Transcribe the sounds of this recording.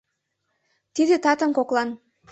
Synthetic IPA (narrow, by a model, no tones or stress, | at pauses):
t̪id̪et̪ɑt̪əmkoklˠɑn